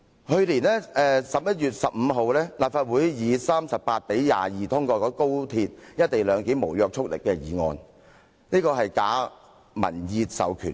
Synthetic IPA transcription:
hɵ˧ɥliː˨˩nlɛː˥ʔɛː˨˧sɐ˨p̚jɐ˥t̚jyː˨˩t̚sɐ˨p̚m̩˨˧ɦo˨˧wlɛː˥laː˨pfaː˧t̚wuː˨˥jjiː˨˧saː˥msɐ˨p̚pːaː˧t̚pe˨˥jja̰ː˨˩jiː˨t̪ʰʊ˥ŋkɔː˧kɔː˨˥ko˥wt̪ʰiː˧t̚jɐ˥t̚t̪e˨jlœː˨˧ŋki˨˥mo˨˩wjœː˨˧k̚t͡ʃʰʊ˥k̚lɪ̰˨kːɛː˧jiː˨˩ŋɔ̰ː˧n | niː˥kɔː˧ɦɐ˨jkaː˨˥ | mɐ̰˨˩njiː˧t̚sɐ̰˨˧wkʰy̰˨˩n

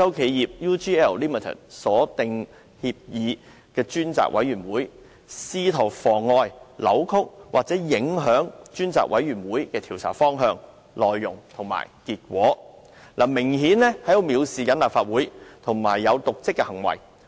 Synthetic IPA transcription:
jɐ˥wkʰe˨˧jjiː˨p̚juː˥tiː˥ɛ˥˩wliː˥mi˨t̪ʰə̰˨˩t̚sɔː˨˥t̪ɪ˨ŋ | hiː˧p̚jiː˨˧ | kɛː˧t͡ʃyː˥nt͡sa̰ː˨k̚wʔɐ̰˨˥jyː˨˩nwuː˨˥j | siː˥t̪ʰɐ˨˩wfɔː˨˩ŋɔː˧jlɐ̰˨˧˥wkʰʊ˥k̚wa̰ː˨k̚t͡sɛː˨˥jɪ˨˧˥ŋɦœː˨˥ŋt͡ʃyː˥nt͡sa̰ː˨k̚wɐ˨˥jɥyː˨˩nwuː˨˥jkɛː˧t̪ʰiː˨˩wt͡sʰa̰ː˨˩fɔː˥ŋɦœː˧ŋ | lɔː˨jːʊ˨˩ŋt̪ʰʊ˨˩ŋma̰ː˨˩jkiː˧t̚k̚wʷɔː˨˥ | lʔaː˨˩mɪ˨˩ŋhiː˨˥nlɛ˥hɐ˨˥j̪o˨˧wmiː˨˧wsiː˨kɐ˨˥nlaː˨p̚faː˧t̚wuː˨˥jt̪ʰʊ˨˩ŋmaː˨˩jːɐ˨˧wt̪ʊ˨k̚t͡sɪ˥kːɛ˧hɐ˨˩ŋwɐ̰˨˩j

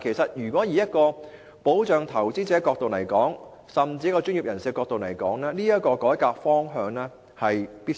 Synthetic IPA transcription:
kʰe˨˩sɐ˨t̚jyː˨˩kwʷɔː˨˥jiː˨˧jɐ˥t̚kɔː˧ | po˨˥wt͡ʃœː˨ŋt̪ʰɐ˨˩wt͡siː˥t͡sɛː˨˥kɔː˧k̚t̪o˨wlɐ˨˩jkɔː˨˥ŋ | sɐ˨˩mt͡siː˧jɐ˥kːɔː˧t͡ʃyː˥ni˨p̚jɐ˨˩nsiː˨˧ɛkɔː˧k̚t̪o˨wlɐ˨˩jkɔː˨˥ŋlɛː˥niː˥jɐ˥t̚kɔː˧kɔː˨˥jkaː˧k̚fɔː˥ŋɦœː˨˧ŋlɛː˥ | hɐ˨jpiː˥

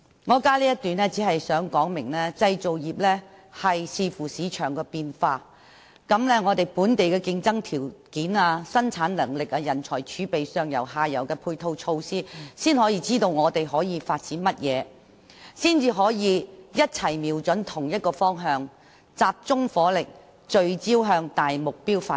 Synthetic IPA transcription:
ŋɔː˨˧kaː˥liː˥jɐ˥t̚t̪yː˨nlɛː˥t͡siː˨˥hɐ˨jsœː˨˥ŋkɔː˨˥ŋmɪ˨˩ŋlɛː˥t͡sɐ˧jt͡so˨wjiː˨p̚lɛː˥hɐ˨jsiː˨˧fuː˨˩siː˨˧t͡ʃʰœː˨˩ŋkɛː˧piː˧nfaː˧ | kɐ˨˥mlɛː˥ŋɔː˨˧t̪e˨jpuː˨˥nt̪e˨jkɛː˧kɪ˧ŋt͡sɐ˥ŋt̪ʰiː˨˩wkiː˨˥naː˧sɐ˥nt͡sʰaː˨˧˥nlɐ˨˩ŋlɪ˨k̚aː˧jɐ˨˩nt͡ʃʰɔ̰ː˨˩jt͡ʃʰyː˨˥pe˨jsœː˨ŋjɐ˨˩whaː˧jɐ̰˨˩wkɛː˧pʰuː˧jt̪ʰo˧wt͡ʃʰo˧wsiː˥siː˥nhɔː˨˥jiː˧t͡siː˥t̪o˧wŋɔː˨˧t̪e˨jɦɔː˨˥jiː˨˧faː˧t̚t͡siː˨˥nmɐ˥t̚jɛː˨˧ | siː˥nt͡siː˨˧ɦɔː˨˥jiː˨˧jɐ˥t̚t͡sʰɐ˨˩jmiː˨˩wt͡ʃɵ˨˥nt̪ʰʊ˨˩ŋjɐ˥t̚kɔː˧fɔː˥ŋɦœː˧ŋ | t͡saː˧p̚t͡sʊ˥ŋfɔː˨˥lɪ˨k̚ | t͡ʃɵ˨˧ɥt͡siː˥wɦœː˧ŋt̪aː˨jmʊ˨k̚piː˥wfaː˧

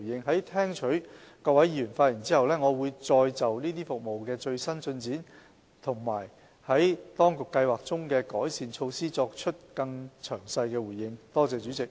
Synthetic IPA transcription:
jɪ˧ŋɦɐ˨˥jt̪ʰɛː˥ŋt͡ʃʰɵ˨˥ɥkɔː˧k̚wɐ˨˥jiː˨˧˥ɥy˨˩nfaː˧t̚ji˨˩nt͡siː˥hɐ˨˩wlɛː˥ŋɔː˨˧wuː˨˧jt͡sɔː˧jt͡sɐ˨˩wniː˥t̪iː˥fʊ˨k̚mo˨˩wkɛː˧t͡ʃɵ˧ɥsɐ˥nt͡sɵ˧nt͡siː˨˥n | t̪ʰʊ˨˩ŋma̰ː˨˩j | hɐ˨˥jt̪ɔː˥ŋkʊ˨kːɐ˧jwaː˨k̚t͡sʊ˥ŋkɛː˧kɔː˨˥jsiː˨nt͡ʃʰo˧wsiː˥t͡sɔː˧k̚t͡ʃʰɵ˥t̚kɐ˧ŋt͡ʃʰœː˨˩ŋsɐ˧jkɛː˧wuː˨˩jːɪ˧ŋt̪ɔː˥t͡sɛː˧t͡ʃyː˨˥t͡sɪ˨k̚

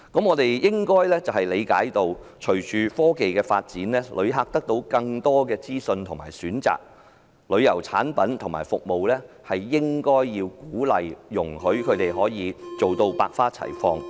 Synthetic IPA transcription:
kɐ˨˥mŋɔː˨˧t̪e˨jjɪ˥ŋkɔː˥jlɛː˥t͡sɐ˨whɐ˨jle˨˧jka̰ː˨˥jt̪o˨˧wt͡ʃʰɵ˨˩ɥt͡ʃʰyː˨˧fɔː˥ke˨jkɛː˧fa̰ː˧t̚t͡siː˨˥nlɛː˥lʔɵ̰˨˧ɥɦaː˧k̚t̪ɐ˥k̚t̪o˧wkɐ˧ŋt̪ɔː˥kɛː˧t͡siː˥sɵ˧nt̪ʰʊ˨˩ŋmaː˨˩jsyː˨˥nt͡sa̰ː˨k̚ | lɵ˨˧ɥjɐ˨˩wt͡sʰa̰ː˨˥npɐ˨˥nt̪ʰʊ˨˩ŋmaː˨˩jfʊ˨k̚mo˨wlɛː˥ | hɐ˨jːɪ˥ŋkɔː˥jːiː˧wkuː˨˥lɐ˨jːʊ˨˩ŋhɵ˨˥ɥkʰɵ˨˧t̪e˨jɦɔː˨˥jiː˨˧t͡so˨wt̪o˧wpaː˧k̚faː˥t͡sʰɐ̰˨˩jfɔː˧ŋ

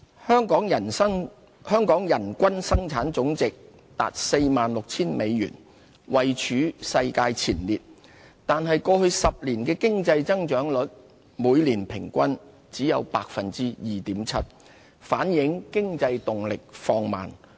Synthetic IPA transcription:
hœː˥ŋkɔː˨˥ŋjɐ˨˩˥ŋ | hœː˥ŋkɔː˨˥ŋjɐ˨˩nkʷɐ˥nsɐ˥ŋt͡sʰaː˨˥nt͡sʊ˨˥ŋt͡sɪ˨k̚ | t̪a̰ː˨t̚se˧jmaː˨nlʊ˨k̚t͡sʰiː˥nme˨˧jɥy̰ː˨˩n | wɐ˨jt͡ʃʰyː˨˥sɐ˧jkaː˧jt͡sʰiː˨˩nliː˨t̚ | t̪aː˨nɦɐ˨jkɔː˧hɵ˧ɥsɐ˨p̚liː˨˩nkɛː˧kɪ˥ŋt͡sɐ˧jt͡sɐ˥ŋt͡ʃœː˨˥ŋlɵ˨˥t̚ | muː˨˧jliː˨˩npʰɪ˨˩ŋkʷɐ˥n | t͡siː˨˥jɐ˨˧wpaː˧k̚fɐ˨nt͡siː˥jiː˨t̪iː˨˥mt͡sʰɐ̰˥t̚ | faː˨˥njɪ˨˥ŋkɪ˥ŋt͡sɐ˧jt̪ʊ˨ŋlɪ˨k̚fɔː˧ŋma̰ː˨˩n

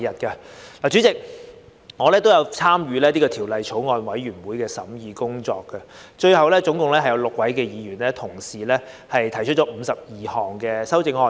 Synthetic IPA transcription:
jɐ˨t̚kɐ˧laː˨˩t͡ʃy˨˥t͡sɪ˨k̚ | ŋɔː˨˧lɛː˥t̪o˥wjɐ˧wt͡sʰaː˥mjyː˨˧lɛː˥niː˥kɔː˧t̪ʰi˨˩wlɐ˨jt͡ʃʰo˨˥wŋɔː˨˧nwɐ˨˥jɥyː˨˩nwuː˨˥jkɛː˧sɐ˨˥mjiː˨˧kʊ˥ŋt͡sɔ̰ː˧kːɐ˧ | t͡ʃɵ˧ɥhɐ˨wlɛː˥t͡sʊ˨˥ŋkʊ˨ŋlɛː˥ɐ˨jɐ˨˧wlʊ˨k̚wɐ˨˥jkɛː˧jiː˨˧jyː˨˩nlɛː˦˥t̪ʰʊ˨˩ŋsiː˨˩lɛː˥ | hɐ˨jt̪ʰɐ˨˩jt͡ʃʰt̚t͡ʃɔː˨˥m̩˨˧sɐ˨p̚jiː˨hɔː˨˩ŋkɛː˧sɐ˥wt͡sɪ˧ŋhɔː˧

